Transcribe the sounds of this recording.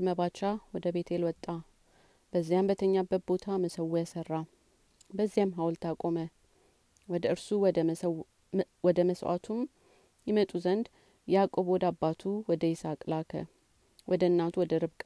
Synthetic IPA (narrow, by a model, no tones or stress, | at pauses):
məβat͡ʃawɔd̪əbe̞t̪ʰelwɔt̪ʼːa | bəzːijambət̪ʰəɲːabət̪̚bo̞t̪ʰaməsəwːujasərːa | bəzːijamɦawlt̪ʰakʼomə | wɔd̪əɨɾsuw̪ | wɔd̪əməswa̰t̪ʰum | jɪmət̪ʼuzənd̪ | jakʼobwɔd̪abːat̪ʰuwɔd̪əjɪsakʼlakʰə̰ | wɔd̪əɨnːat̪ʰuwɔd̪əɾɨβkʼ